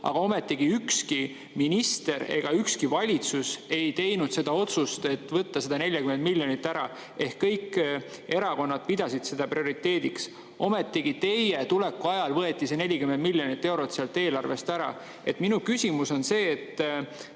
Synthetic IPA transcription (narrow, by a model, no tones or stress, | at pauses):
ɑ̰ɡ̥ɑo̞me̞t̪ːiɡ̥iykski | minist̪e̞ɾe̞̰ɡ̥ɑykskivɑlʲit̪suse̞jt̪e̞jnud̪̥se̞d̪̥ɑo̞t̪sust̪e̞t̪ːˑvɤt̪ːɑse̞d̪ɑne̞lʲjɑkymend̪milʲjo̞nit̪ːæɾɑ | e̞hkːɤjkː | e̞ɾɑko̞nːɑd̪̥pid̪̥ɑsid̪̥se̞d̪̥ɑprio̞ɾit̪ːe̞ːd̪iks | o̞me̞t̪ːˑiɡ̥it̪e̞je̞t̪ulekːˑuɑjɑlvɤe̞t̪ːˑise̞ne̞lʲːikymend̪milʲjo̞nit̪ːe̞wɾo̞t̪seɑlt̪ːˑe̞ːlɑrve̞st̪æɾɑ̰ | e̞̰t̪ˑminukysʲimuso̞nse̞ːt̪ː